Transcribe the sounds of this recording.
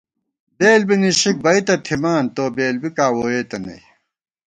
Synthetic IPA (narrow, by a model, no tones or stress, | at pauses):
beːlbiniɕik̚bɐit̪ɐt̪ʰimaːnt̪oːbeːlbikaːwoːeːt̪ɐnɐ̰j